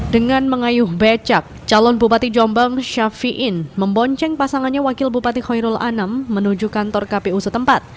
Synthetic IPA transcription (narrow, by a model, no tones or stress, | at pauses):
dəŋanməŋajʊhbat͡ʃak̚t͡ʃalɔnbupat̪id͡ʒɔmbaŋʃafiʔɪnməmbɔɲt͡ʃɛŋpasaŋanɲawakɪlbupat̪ihɔjɾʊlʔa̰namːənud͡ʒukant̪ɔrkapeusət̪əmpat̪̚